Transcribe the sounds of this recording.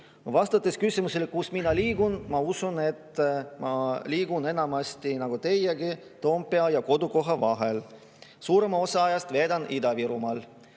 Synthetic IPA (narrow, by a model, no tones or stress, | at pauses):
vɑst̪ɑt̪ːˑeskysʲimuselkusminːɑliːɡ̥unmɑusune̞t̪ːmɑliːɡ̥une̞nɑmɑst̪inɑɡ̥ut̪e̞jeɡi | t̪o̞ːmpːˑeɑjɑko̞d̪uko̞ɦɑvɑɦe̞l | suːɾe̞mɑo̞sɑɑjɑst̪ve̞ːd̪ɑnid̪ɑviɾumɑl